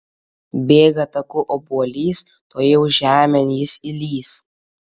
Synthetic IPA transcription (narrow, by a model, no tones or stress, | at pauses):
bʲeːɡɐt̪ɐkʊʔoːbuɔlʲiːs | t̪oːjɛʊʒʲæːmʲɛnjɪsɪlʲiːs